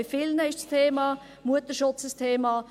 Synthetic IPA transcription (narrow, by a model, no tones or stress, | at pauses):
ɪfɪlnəɪʃstʰeːmɑː | muətəʃʊt͡səstʰeːmɑː